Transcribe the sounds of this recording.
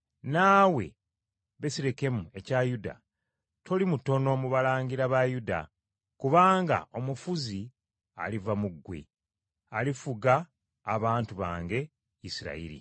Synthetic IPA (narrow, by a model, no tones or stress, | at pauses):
naːwe̞̰ | βesiɾe̞ke̞mue̞cajuda̰ | tʰo̞limuto̞no̞muβalaːɲɡiɾaβajuda̰ | kuβaːŋɡa̰ʔo̞mufuzi | a̰livamuɡwḛ | alifuɡaː | βaːntuβa̰ːŋɡe̞ | isiɾa̰ḭɾḭ